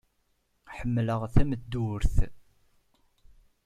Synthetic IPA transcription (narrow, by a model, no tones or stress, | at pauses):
ħəmːləʁθæməd̪ːʊɾθ